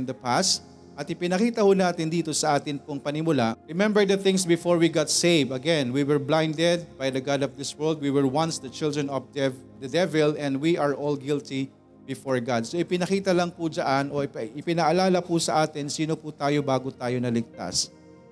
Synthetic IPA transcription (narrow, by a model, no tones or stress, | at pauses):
nd̪ɐpast̪ | ʔɐt̪ɪpɪnɐkiːt̪ɐhʊnaːt̪ɪnd̪iːt̪osɐʔaːt̪ɪnpʊŋpɐnɪmʊlaɹɪmɛ̃mbɛɹd̪ɐθɪ̃ŋsbɪfoɹwiɡat̪sejvɐɡɛ̃nwiwɛɹblãjnd̪ɛd̪̚bajd̪ɐɡad̪ɔfd̪ɪswɛɹld̪̚wiwɛɹwɐ̃nsd̪ɐt͡ʃɪld̪ɹɛnɔfd̪ɛv | d̪ɐd̪ɛvɛlɛ̃nd̪wiʔaɹʔolɡɪlt̪i | bɪfoɹɡad̪̚soʔɪpɪnɐkiːt̪ɐlɐŋpud͡ʒɐʔanʔo̞ɪpʔɪpɪnɐʔɐlaːlɐpusɐʔaːt̪ɪnsiːno̞put̪aːjobaːɡot̪aːjo̞nɐlɪɡ̚t̪a̰s